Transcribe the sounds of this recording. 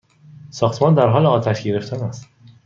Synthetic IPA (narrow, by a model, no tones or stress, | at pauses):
sɒːxt̪mɒːnd̪æɾɦɒːleɒːt̪ʰæʃɟe̞ɾe̞ft̪ʰænæst̪